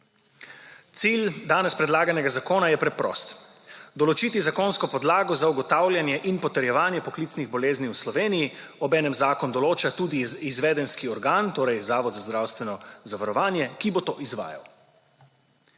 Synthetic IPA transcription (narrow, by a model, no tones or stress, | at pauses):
t̪sild̪aːnɛspɾɛd̪laːɡanɛɡazakoːnajɛpɾɛpɾɔ̰ːst̪d̪ɔlɔt͡ʃit̪izakoːnskɔpɔd̪laːɡɔzauɡɔt̪aːwlʲjanjɛʔinpɔt̪ɛɾjɛʋaːnjɛpɔklit̪sniɣbɔleːzniwslɔʋeːnijiɔbɛːnɛmzaːkɔnd̪ɔloːt͡ʃat̪uːd̪iːzʋɛːd̪ɛnskiɔɾɡaːnt̪oːɾɛjzaːʋɔd̪zazd̪ɾawst̪ʋɛnɔzaʋaɾɔʋaːnjɛkibɔt̪oːʔizʋa̰ːja̰w